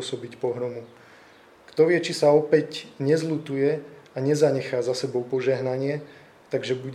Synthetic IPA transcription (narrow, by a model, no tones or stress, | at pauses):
sɔbicpɔɦɾɔmu | kt̪ɔʋɪɛt͡ʃisaɔpɛcɲɛzlut̪ujɛaɲɛzaɲɛxaːzasɛbɔʊpɔʒɛɦnaɲɪɛ | t̪aɡʒɛbuɟ